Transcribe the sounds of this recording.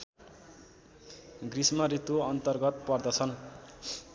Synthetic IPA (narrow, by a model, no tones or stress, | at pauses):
ɡrismʌɾit̪oʌnt̪ʌrɡʌt̪pʌrd̪ʌt͡sʰʌn